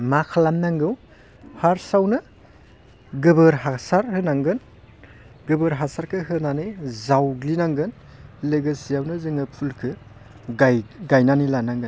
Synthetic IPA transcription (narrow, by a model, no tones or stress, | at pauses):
makʰalamnaŋɡɯw | haɾsawnɯ | ɡɯbɯɾɦasaɾhɯnaŋɡɯn | ɡɯbɯɾɦasaɾkʰɯɦɯnanɯzawɡlinaŋɡɯn | lɯɡɯsijawnɯzɯŋɯpʰulkʰɯ | ɡajɡajnanilanaŋɡɯ